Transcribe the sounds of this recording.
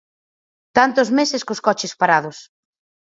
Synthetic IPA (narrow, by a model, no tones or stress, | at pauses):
t̪ant̪ʊzmesɪskoskɔt͡ʃɪspaɾaðʊs